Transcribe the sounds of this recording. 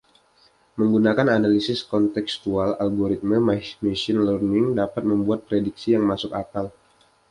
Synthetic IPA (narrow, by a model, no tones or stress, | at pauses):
məŋɡunakananalisɪskɔnt̪ɛkst̪uala̰lɡoɾit̪̚məmanesɪnlərnɪŋdapat̪̚məmbuat̪̚pɾediksijaŋmasʊkakal